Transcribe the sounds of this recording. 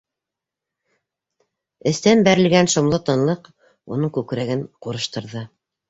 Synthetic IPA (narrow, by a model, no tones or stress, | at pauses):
ɘ̆θt̪ænbæɾɘ̆lɡænʃŏmlˠɤt̪ɤ̆nlˠɤq | unɤɴkʉkɾæɡɘɴquɾɤ̆ʃt̪ɤ̆ɾðɤ